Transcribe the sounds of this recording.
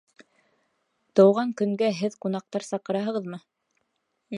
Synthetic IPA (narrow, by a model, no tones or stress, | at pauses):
t̪ɤ̆wʁɑŋkɵ̆ŋɡæɦɘðqunɑq̚t̪ɑɾsɑqɤ̆ɾɑɦɤ̆ʁɤðmɤ